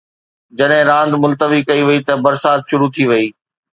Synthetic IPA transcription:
d͡ʑɐɗɦɪ̃ɾãːnd̪mʊlt̪əʋikɐiʋɐit̪ɐbɐɾsaːt̪ʃʊɾut̪ʰiʋɐiː

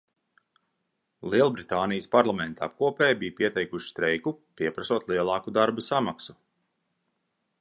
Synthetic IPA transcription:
lˠiɛlˠbɾit̪aːnijəspaɾlˠamɛnt̪a̰p̚kuɔpɛːjbijpiɛt̪ɛjkuʃi̥st̪ɾɛjkupiɛpɾasuɔt̪lˠiɛlˠɑːkud̪aɾbasamaksu

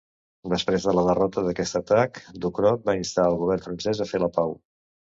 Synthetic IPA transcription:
d̪əspɾezðələðərɔt̪əðəkɛst̪ət̪akd̪ukɾɔt̪̚baist̪aəlˠɣuβ̞ɛrnfɾənsɛzəfeləpaw

